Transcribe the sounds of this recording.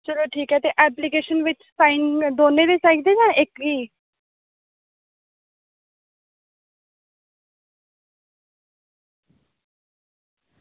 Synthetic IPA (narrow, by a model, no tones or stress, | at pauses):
d͡ʒəloːʈʰiːkɦɛːt̪eːʔɛːplikeːʃənʋɪt͡ʃsãːɪnd̪oːneːd̪eːsaːɪd̪eːd͡ʒãːʔɪkʋiː